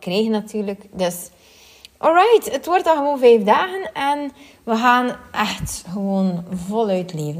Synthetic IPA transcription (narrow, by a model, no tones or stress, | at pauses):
kreːɣənːatyːrləkdøs | ʔɔlˠɹajtətʋɔrtɑɣəʋoːnvɛjfdaːɣənɛn | ʋəɣaːnʔɛxtɣəʋoːnvɔlˠœɥtʰleːvən